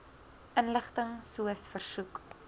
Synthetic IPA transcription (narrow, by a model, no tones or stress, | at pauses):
ʔənləχtəŋsuəsfərsuk